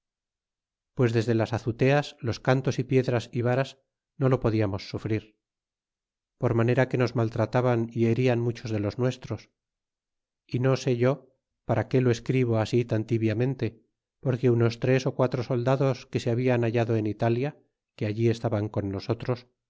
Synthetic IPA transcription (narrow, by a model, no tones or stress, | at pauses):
pwe̞zðe̞zðe̞lasaθut̪e̞aslo̞skant̪o̞sipje̞ðɾasiβaɾas | no̞lo̞poðiamo̞sːufɾiɾ | po̞ɾmaneɾake̞no̞zmalt̪ɾat̪aβanie̞ɾianmut͡ʃo̞zðe̞lo̞znwe̞st̪ɾo̞s | ino̞se̞ʝo̞ | paɾake̞loeskɾiβo̞asit̪ant̪iβjamẽ̞nt̪e̞ | po̞ɾke̞uno̞st̪ɾe̞so̞kwat̪ɾoso̞ld̪aðo̞ske̞seaβianaʝaðo̞enit̪alja | keaʎie̞st̪aβaŋko̞nːo̞so̞t̪ɾos